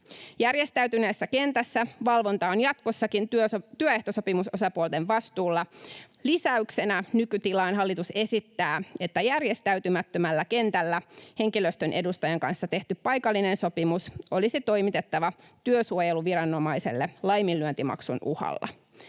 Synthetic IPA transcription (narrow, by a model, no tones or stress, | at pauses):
jærje̞st̪æyt̪yneːsːæke̞nt̪æsːæʋɑlʋo̞nt̪ɑonjɑt̪ko̞sːɑkint̪yøeht̪oso̞pimuso̞sɑpuolt̪e̞ʋʋɑst̪uːlːɑ | lisæykse̞nænykyt̪ilɑinɦɑlːit̪use̞sit̪ːæːe̞t̪ːæjærje̞st̪æyt̪ymæt̪ːømælːæke̞nt̪ælːæhe̞ŋkiløst̪ønʔedust̪ɑjɑŋkɑnsːɑt̪e̞ht̪yppɑjkɑlːinenso̞pimuso̞lisit̪o̞jmit̪e̞t̪ːɑʋɑt̪yøsuojeluʋiɾɑnːo̞mɑisḛlːelɑjmilːyønt̪imɑ̰ksunʔuhɑ̰lːɑ̰